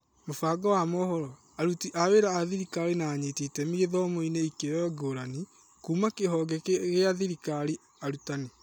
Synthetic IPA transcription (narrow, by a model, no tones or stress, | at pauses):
mofaːɡɔwamɔhɔɾɔ | aɾutiʔaweɾaːðiɾikaɾenaːɲetitɛmiɣeðɔmoineikejɔɔɡoɾani | kuːmakeɦɔɡɛkɣeaðiɾikaɾi | aɾutane